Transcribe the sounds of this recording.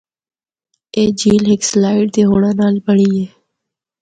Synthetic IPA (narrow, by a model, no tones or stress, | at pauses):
eːd͡ʒiːlɦɪkslaːɪʈt̪eːɦoːɽãːnaːlbəɽiːeː